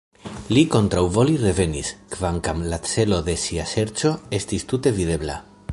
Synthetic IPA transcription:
liko̞nt̪ɾawvo̞lire̞ve̞niskvaŋkamlat͡se̞lo̞ðe̞siase̞ɾt͡ʃo̞e̞stist̪ute̞viðe̞bla̰

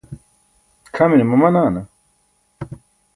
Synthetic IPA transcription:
kʰɐminimɐmɐnaːnɐ

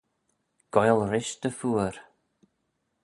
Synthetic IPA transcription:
ɡ̥ɔjlɾɪʃd̪əfuːəɾ

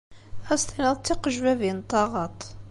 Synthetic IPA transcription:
æst̪inəðˤt͡s̪ːiqəʒwævint̪ˤːɑʁɑt̪ˤ

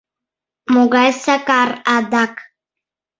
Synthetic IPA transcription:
muɡajsakaɾad̪ak

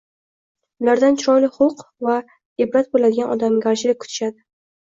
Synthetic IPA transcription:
ʊlaɾd̪ant͡ʃʰɾɒjlɪχʊqva | ɪbɾat̪̚bolad̪ɪɡanʔɒd̪amɡʲaɾt͡ʃʰɪlɪkʰʊ̥t̪ʰɪ̥ʃad̪ɪ

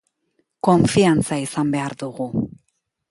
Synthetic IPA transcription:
ko̞ɱfiant͡saisambe̞aɾðuɣu

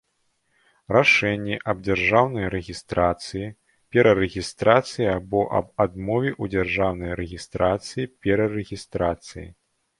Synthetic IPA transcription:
raʂɛnʲːɛʔɐb̚d͡zʲarʐawnɐjɾɛɣʲist̪ɾat̪sɨji | pʲɛɾɐɾɛɣʲist̪ɾat̪sɨjiabɔʔɐ̰bad̪mɔvʲiʔud͡zʲarʐawnɐjɾɛɣʲist̪ɾat̪sɨjipʲɛɾɐɾɛɣʲist̪ɾat̪sɨjḭ

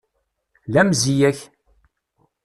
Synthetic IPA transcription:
læmzijæç

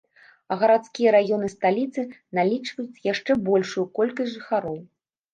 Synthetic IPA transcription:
ɐɣɐɾat̪skʲijɐɾajɔnɨst̪alʲit̪sɨnalʲit͡ʂvɐjut͡sʲjaʂt͡ʂɛbɔlʲʂujukɔlʲkɐsʲʐɨxaɾɔw

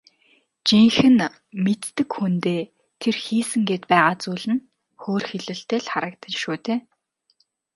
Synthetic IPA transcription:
t͡ɕiŋxɘ̆n | met̪ːɘ̆kxunt̪eː | t̪ʰerxiːsɘ̆ŋɡeːt̪pæːʁaːt͡suːɮɘ̆n | xoːrxeɮɘ̆ɬt̪eːɮχaɾə̆k̚t̪ʰə̆t͡ɕʃuːt̪eː

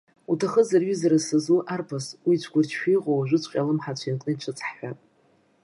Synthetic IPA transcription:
utʰaχəzarɥizaɾasɨzuʔarpʰaswit͡ʃʷʰɡʷʊrt͡ʃʰʃᶣijqʼowaʒʷʊt͡ɕʷʰʼqʲʼalɨmħat͡ɕʷʰinkʼnɨʈ͡ʂʷʰɨt͡sʼħħʷᶣa

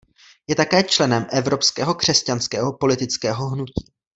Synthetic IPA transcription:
jɛt̪akɛːt͡ʃlɛnɛmʔɛvɾo̞pskɛːɦo̞kr̝̥ɛscanskɛːɦo̞po̞lɪt̪ɪt͡skɛːɦo̞ɦnuciː

